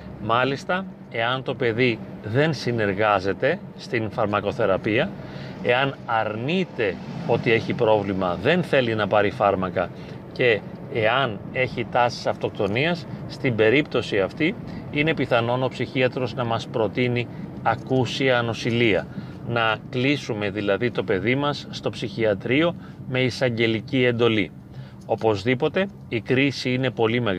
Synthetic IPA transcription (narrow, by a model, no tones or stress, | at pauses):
mɐlist̪ɐ | e̞ɐnt̪o̞pe̞ðiðe̞nsine̞ɾɣɐze̞t̪e̞ | st̪infɐɾmɐko̞θe̞ɾɐpiɐe̞ɐnɐɾnit̪e̞o̞t̪ie̞çipɾo̞vlimɐðenθe̞linɐpɐɾifɐɾmɐkɐ | ce̞ː | ɐne̞çit̪ɐsi̥sɐft̪o̞k̚t̪o̞niɐsːt̪imbe̞ɾip̚t̪o̞siɐft̪iine̞piθɐno̞nopsiçiɐt̪ɾo̞znɐmɐspɾo̞t̪ini | ɐkusiɐno̞siliɐ̰ | nɐklisume̞ðilɐðit̪o̞pe̞ðimɐsːt̪o̞psiçiɐt̪ɾio̞ | me̞isɐɲɟe̞licie̞nd̪o̞li | o̞po̞zðipo̞t̪e̞ | ikɾisiine̞po̞lime̞ɣ